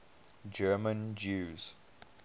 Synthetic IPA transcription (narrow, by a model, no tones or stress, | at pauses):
d͡ʒɜːmə̃nd͡ʒuːz̥